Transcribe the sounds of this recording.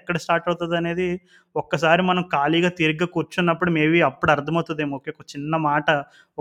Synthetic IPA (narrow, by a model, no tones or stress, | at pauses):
kːɐɽɐsʈaːɾʈɐwt̪und̪ɐne̞ːd̪i | ɔkːɐs̬aːɾimɐnɐmkaːliːɡaːt̪iɾiɡɡaːkuːɾt͡ʃunːɐpːuɽumeːʋiɐpːuɽɐɾd̪ʱɐmɐt̪ːud̪eːmoːkeːkːɐt͡ʃinːɐmaːʈɐ